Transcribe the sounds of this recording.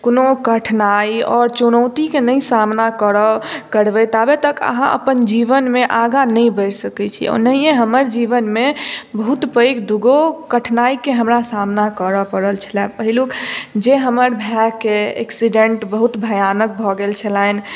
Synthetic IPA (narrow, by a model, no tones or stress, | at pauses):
konokəʈʰnaiɔɾt͡ʃunəwt̪ikenəĩsamnakəɾəkəɾbɛt̪abet̪əkə̰ɦãʔə̰pənd͡ʒiʋənmeʔaɡanəjbəɪɾsəkɛt͡ʃʰḭɔ̰ɾnəɦijẽɦəməɾd͡ʒiʋənmebəɦut̪pəjkd̪uɡokəʈʰnaikeɦəmɾasamnakəɾəpəɾəlt͡ʃʰəlɛpəɦilukd͡ʒeɦəməɾbʱɛkeḛksiɖẽɳʈbəɦut̪bʱəjanək̚bʱɔɡelt͡ʃʰəlan